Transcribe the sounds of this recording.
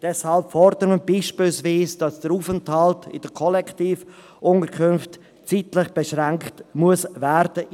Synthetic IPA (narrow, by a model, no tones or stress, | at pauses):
d̥ɛshɑlpfɔɾdəɾməbiːʃpiːlsviːsd̥ɑsd̥əɾuːfənthɑltʰɪ̰d̥əkʰɔlɛktiːf | ʔʊntəɾkʰʏnft | t͡siːtlɪχb̥eʃɾaŋktmuəsvɛɾd̥ə